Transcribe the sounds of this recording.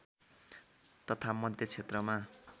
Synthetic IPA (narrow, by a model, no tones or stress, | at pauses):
t̪ʌt̪ʰamʌd̪ʱjʌt͡sʰet̪rʌma